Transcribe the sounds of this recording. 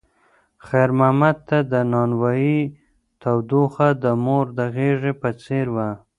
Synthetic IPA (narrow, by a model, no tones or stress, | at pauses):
xajɾmahmad̪̚t̪ːad̪ənɑnwɑji | t̪awd̪oxad̪əmoɾd̪əɣeʐepət͡seɾwa